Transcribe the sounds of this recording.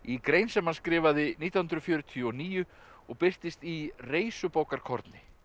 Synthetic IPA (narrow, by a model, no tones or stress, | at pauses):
ikɾeːjnsɛmanskɾɪːvaðɪniːt̪jahnd̪ɾʏfjœːɾʏt̪ʰiɔniːjʏ | ɔɣpɪr̥t̪ɪst̪ireːjsʏpoːwkaɾkʰɔ̰ɾt̪nɪ